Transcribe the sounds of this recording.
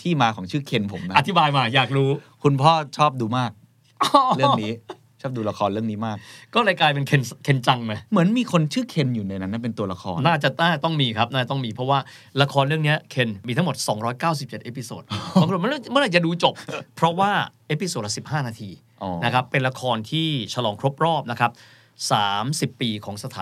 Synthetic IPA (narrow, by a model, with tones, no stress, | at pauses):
t̪ʰiː˥˩maː˧kʰɔː˩˦ŋt͡ɕʰɯː˥˩kʰe˧npʰo˩˦mna˦a˧t̪ʰːi˦˥baː˧jmaː˧˩jaː˨˩k̚ɾuː˦˥ | kʰu˧npʰɔː˥˩t͡ɕʰɔː˥˩p̚duː˧maː˥˩k̚ | ɾɯ˥˩əniː˦˥ | t͡ɕʰɔː˥˩duː˧la˧kʰɔː˧nɾɯ˥˩əŋniː˦˥maː˥˩k̚kɔː˥˩ɾa˧˩jklaː˧jp̬e˧nkʰe˧nkʰe˧nt͡ɕa˧ŋma˦˥˩mɯ˩˦ənmiː˧kʰo˧nt͡ɕʰɯː˥˩kʰe˧njuː˨˩na˧jna˦nːa˥˩pe˧nt̪u˧ɐla˧˥kʰɔ̰ː˧naː˥˩t͡ɕa˨˩aː˥˩t̪ɔ˥˩ŋmiː˧kʰa˦˥p̚naː˥˩t͡ɕ̪ɔ˥˩ŋmiː˧pʰɾɔ˦˥waː˥˩ | la˧kʰɔː˧nɾɯ˥˩əni˦˥ɐkʰe˧nmiː˧t̪ʰa˦˥mo˨˩t̪̚sɔː˩˦ŋɾɔː˦˥jkaː˥˩ws̬i˨˩p̚t͡ɕe˨˩t̪ʔe˦˥pʰi˧so̰ː˨˩t̪̚ːkʰːm˥˨n˥˩m˥naː˥˩t͡ɕa˨˩duː˧t͡ɕo˨˩p̚pʰɾɔ˦˥waː˥˩ʔeː˦˥pi˧so˨˩t̚la˧˥si˨˩p̚ɦaː˥˩naː˧t̪ʰiː˧ | ʔɔ˧na˦˥kʰa˦˥pːe˧nla˧kʰɔː˧nt̪ʰiː˥˩t͡ɕʰa˧lɔː˩˦ŋkʰɾo˦˥p̚ɾɔː˥˩p̚na˦˥kʰa˦˥p̚ | saː˩˦msi˨˩pːiː˧kʰɔː˩˦ŋsa˧t̪ʰaː˨˦